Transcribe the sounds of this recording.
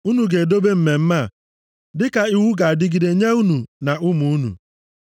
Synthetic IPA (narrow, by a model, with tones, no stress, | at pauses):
u˦nu˨ɡe˨do˦be˦m̩˦me˨m̩˦ma˦˨ | dɪ˦ka˨i˦wu˦ɡa˨a˨dɪ˦ɡi˨de˨ɲe˦u˦nu˨na˨ʊ˦mu˨u˦nṵ˨